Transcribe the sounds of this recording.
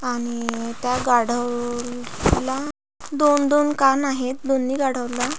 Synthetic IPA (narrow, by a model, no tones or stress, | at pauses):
aɽ̃it̪jaɡaɽ̤ə | la | d̪ond̪onkanaɦet̪̚d̪onːiːɡaɽ̤əʋla